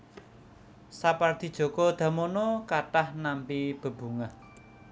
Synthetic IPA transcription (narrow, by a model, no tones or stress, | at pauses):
sapard̪̥i̤d̥ʒ̥o̤kɔd̪̥ä̤monɔkaʈahnampib̥ə̤b̥ṳŋah